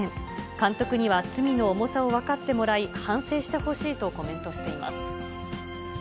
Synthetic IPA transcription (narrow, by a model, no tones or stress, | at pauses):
ẽŋkãnt̪o̞kɯ̟ɲ̟iβat͡sɨmʲino̞ːmo̞sao̞βakat̪ːe̞mo̞ɾaihãɰ̃se̞ːɕi̥t̪e̞ho̞ɕiːt̪o̞ko̞mẽ̞nt̪o̞ɕi̥t̪e̞ima̰sɨ̥